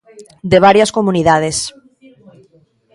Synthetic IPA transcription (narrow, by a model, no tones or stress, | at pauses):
d̪eβ̞aɾjaskomuniðaðes